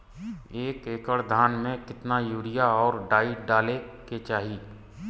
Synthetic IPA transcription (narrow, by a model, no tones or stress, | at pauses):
eːkeːkəɽd̪ʱaːnmẽkɪt̪najuːɾɪjaɔːɾɖaːiɖaːleket͡ʃaːɦiː